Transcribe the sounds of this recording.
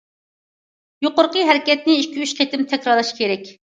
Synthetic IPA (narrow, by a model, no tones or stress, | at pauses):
joqʊɾqəɦɛɾɪkʲɛt̪̚nɪiʃkʲyyʃqʰet̪ɪmt̪ʰɛkʲɾɑɾlˠɨʃkʲʰeɾɛkʲ